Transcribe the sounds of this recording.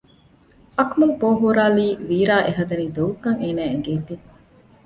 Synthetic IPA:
ʔɐkmuŋpoːɦuɾaːliːʋiːɾaːʔeɦɐd̪ɐniːd̪oʋukɐŋeːnæːeŋɡeːt̪i

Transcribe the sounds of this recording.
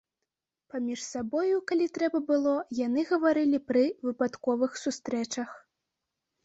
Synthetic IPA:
pamʲiʂsabɔjukalʲit̪ɾɛbɐbɨlˠɔjanɨɣɐvaɾɨlʲipɾɨvɨpat̪kɔvɨxsust̪ɾɛt͡ʂɐx

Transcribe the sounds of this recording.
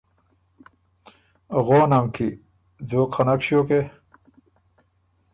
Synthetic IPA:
ɣoːnamkʰi | d͡zoːkχanakɕjoke

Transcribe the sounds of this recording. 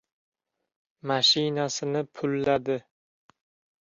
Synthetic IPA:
maʃɪnasɪnɪpʰʊlːad̪ɪ

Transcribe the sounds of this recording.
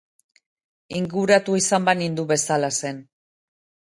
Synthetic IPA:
iŋɡuɾat̪uisambanind̪uβe̞salase̞n

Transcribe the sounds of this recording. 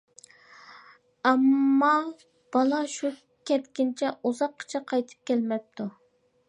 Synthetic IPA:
ɑmːɑ | b̥ɑlˠɑʃu | kʲʰɛt̪kʲɪnt͡ʃʰɛuzɑqʰːə̥t͡ʃʰɛqʰɑjt̪ʰɨ̥p̚kʲʰɛlmɛp̚t̪ʰu

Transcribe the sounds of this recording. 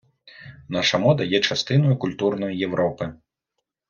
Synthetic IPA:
naʂɐmɔd̪ɐjɛt͡ʂast̪ɨnɐjukulʲt̪urnɐjːɛwɾʔɔpɨ

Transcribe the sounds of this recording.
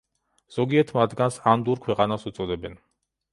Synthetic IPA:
z̥ɔɡiɛt̪ʰmad̪ɡansand̪uɾkʰwɛqʼanasut̪sʼɔd̪ɛbɛn

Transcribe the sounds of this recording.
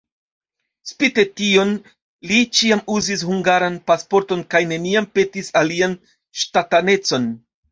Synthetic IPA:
spite̞tio̞n | lit͡ʃiamuzis̬huŋɡaɾanpaspo̞ɾto̞nkajne̞niampe̞tisalian | ʃtatane̞t͡so̞n

